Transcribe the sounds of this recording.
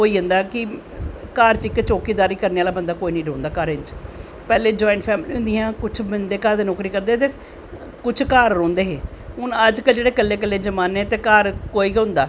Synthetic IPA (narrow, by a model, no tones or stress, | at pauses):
oːiːɦʊ̃nd̪aːkɪ | kaːɾt͡ʃɪkːt͡ʃoːkiːd̪aːɾiːkəɾneːaːlaːbənd̪aːkoːiːnə̃ĩːɖõːnd̪aːkaːɾɪnt͡ʃ | pɛːleːd͡ʒɔːɪɳʈpʰɛːmliːɦʊ̃nd̪ɪjãːkʊt͡ʃʰbənd̪eːkaːɾd̪eːnoːkɾiːkəɾd̪eːt̪eː | kʊt͡ʃʰkaːɾːõːnd̪eːɦeːʊnəd͡ʒkəld͡ʒeːɽeːkəlːeːk̬əlːeːd͡ʒəmaːneːt̪eːkaːɾkoːiːkɦʊ̃nd̪aː